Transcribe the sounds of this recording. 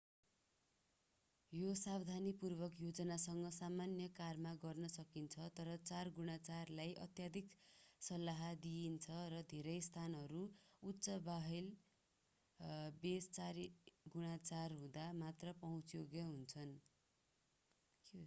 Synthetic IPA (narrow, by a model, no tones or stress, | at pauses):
josabd̪ʱanipurbʌkjod͡zʌnasʌŋɡʌsamanjʌkarmaɡʌrnʌsʌkint͡sʰʌt̪ʌɾʌt͡sarɡuɽ̃at͡sarlajʔʌ̰t̪jad̪ʱiksʌlːaɦd̪iint͡sʰʌrʌd̪ʱeɾʌjst̪ʰanɦʌɾuutːsʌbaɦil | best͡saɾiɡuɽat͡sarɦũd̪amat̪rʌpʌɦũt͡sjoɡjʌɦunt͡sʰʌn